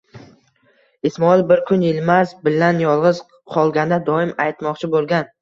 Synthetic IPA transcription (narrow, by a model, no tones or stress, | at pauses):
ɪsmɒɪlbɪɾkʰʊnjelmazbɪlːanjɒlˠʁɨz̥ | qʰɒlˠɡʲand̪ad̪ɒɪmajt̪mɒqt͡ʃʰɪbolˠɡʲan